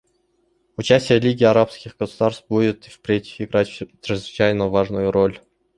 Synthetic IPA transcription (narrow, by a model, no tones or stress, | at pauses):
ʊt͡ɕæsʲtʲɪjəlʲiɡʲɪaɾapskʲɪxɡ̥əsʊd̪aɾst̪budʲɪt̪fpɾʲetʲɪ̥fɪɡɾatʲt̪ɾəzvɪt͡ɕæjməvaʐnʊjʊɾolʲ